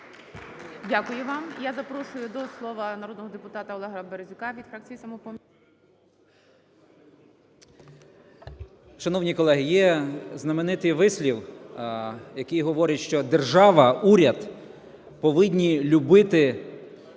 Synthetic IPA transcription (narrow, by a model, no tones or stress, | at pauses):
dʲakʊjʊʋɑmjazɐpɾɔʃʊjʊd̪ɔslˠɔʋɐnɐɾɔd̪nɔɦɔd̪epʊt̪ɑt̪ɐɔlˠɛɦɐɾɐbeɾezʲʊkɑʋʲid̪fɾak̚t͡sʲijisɐmɔpɔmʲ | ʃɐnɔwnʲikɔlˠɛɦɪjɛznɐmenɪt̪ɪjʋɪsʲlʲiw | jɐkɪjɦɔʋɔɾʲɐtʲʃt͡ʃɔd̪e̞rʒɑʋɐuɾʲɐd̪ | pɔʋɪdʲnʲilʲʊbɪt̪ɪ